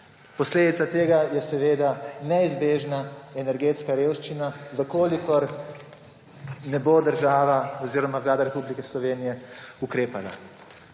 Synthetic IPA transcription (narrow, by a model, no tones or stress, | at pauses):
pɔsleːd̪it̪sat̪eːɡajɛsɛʋeːd̪anɛizbeːʒnaɛnɛɾɡeːt̪skaɾeːwʃt͡ʃinaʋəkoːlikɔɾ | nɛbod̪əɾʒaːʋaɔziːɾɔmaʋlaːd̪aɾɛpublikɛslɔʋeːnijɛukɾeːpala̰